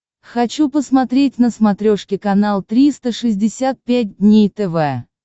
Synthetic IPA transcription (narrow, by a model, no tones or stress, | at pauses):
xɐt͡ɕupəsmɐt̪ɾʲetʲnəsmɐt̪ɾʲoʂkʲɪkɐnalˠt̪ɾʲist̪əʂɨzʲdʲɪsʲat̪̚pʲæt̚ʲdʲnʲejt̪ɛvɛ